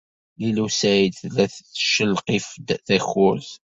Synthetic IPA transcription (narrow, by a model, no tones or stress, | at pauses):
lilusæjd̪θlæθθʃəlqifd̪θæxʊɾθ